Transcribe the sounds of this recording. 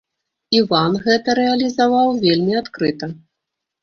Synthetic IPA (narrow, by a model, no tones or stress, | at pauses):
ivanɣɛt̪ɐɾɛɐlʲizavawvʲelʲmʲiat̪kɾɨt̪ɐ